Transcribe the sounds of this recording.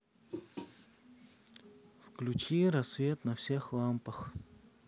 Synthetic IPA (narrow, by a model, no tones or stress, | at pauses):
fklʲʉt͡ɕijɾɐsːvʲet̪nɐfsʲexlˠampəx